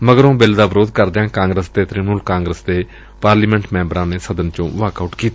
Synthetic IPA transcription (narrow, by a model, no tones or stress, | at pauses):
məɡəɾõːbeld̪aːbəɾoːd̪kəɾd̪ãːkãːŋɡɾəst̪eːt̪ɾinuːlkãːŋɡɾəsd̪eː | paːɾliːmɛ̃ɳʈmɛ̃ːmbəɾãːneːsəd̪ənt͡ʃõːʋaːkaʊʈkiːt̪a